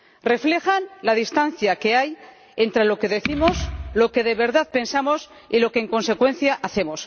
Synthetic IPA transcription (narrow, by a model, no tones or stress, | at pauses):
re̞fle̞xanlaðist̪anθjake̞aj | e̞nt̪ɾe̞lo̞ke̞ðe̞θimo̞slo̞ke̞ðe̞βe̞ɾðaðpe̞nsamo̞s | ilo̞ke̞ːŋkõ̞nse̞kwe̞n̟θjaʔaθe̞mo̞s